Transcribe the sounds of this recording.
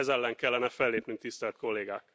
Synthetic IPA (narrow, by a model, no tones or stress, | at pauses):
ɛzɛlːɛŋkɛlːɛnɛfɛlːeːpnyŋk̚t̪ist̪ɛlt̪ko̞lːeːɡa̰ːk